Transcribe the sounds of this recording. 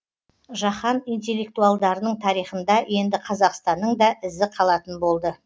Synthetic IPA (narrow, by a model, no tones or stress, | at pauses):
ʒɑχɑnijnt̪̬ʲe̞lːe̞k̚t̪ualˠd̪ɑɾənəɴt̪ʰɑɾijχənd̪ɑje̞nd̪ɪqʰɑzɑqst̪ɑnːəɴd̪ɑʔɪzɪqʰɑlˠɑt̪ənbo̞lˠd̪ə